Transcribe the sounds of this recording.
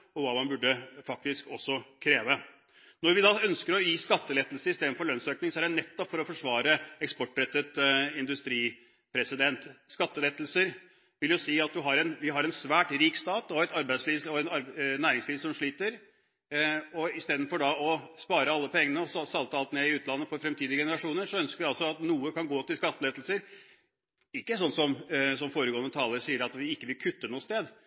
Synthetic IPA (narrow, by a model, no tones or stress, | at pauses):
ɔʋɑːmɑnbʉɖːəfɑk̚t̪ɪskɔsːɔkʰɾeːʋə | nɔɾʋɪd̪ɑœnskəɾɔjiːskɑt̪ːəlɛt̪l̩səɾɪst̪eːd̪n̩fɔɭœnsøːknɪŋsɔæɖɛnɛt̪ːɔpfɔɾɔfɔʂʋɑːɾəɛkspɔʈːɾɛt̪ːət̪ɪnd̪ʉst̪ɾiː | pʰɾɛsɪd̪ɛnt̪skɑt̪ːəlɛt̪ːlsəɾ | ʋɪljʊsiːɑt̪̚d̪ɪɦɑɾɛnʋɪɦɑɾɛnsʋæːʈɾiːkst̪ɑːt̪ɔɛt̪ɑɾbæɪd̪sliːʋsɔɛnɑɾnæːɾɪŋsliːʋsɔmʂɭiːt̪əɾ | ɔɪst̪eːd̪n̩fɔɖɑɔspɑːɾəɑlːəpʰɔɛŋːənəɔssɑlt̪əɑlt̪neːɪʉːt̪lɑnːəfɔɾfɾɛmt̪ʰiːd̪ɪəɡɛnəɾɑʂuːnəʂɔœnskəɾɪɑlsɔɑt̪nuːəkʰɑnɡoːt̪ɪlskɑt̪ːəlɛt̪lsəɾ | ɪkːəsɔnːsɔmsɔmfoːɾəɡoːənət̪ʰɑːləɾsiːəɾɑt̪ʋɪɪkːəʋɪlkʰʉt̪ːənuːəst̪eːd̪